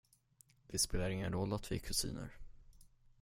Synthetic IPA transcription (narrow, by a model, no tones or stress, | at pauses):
d̪̥ɪspeːlaɾɪŋːənɾɔlːat̪vɪkʰɵsḭːnə̰ɾ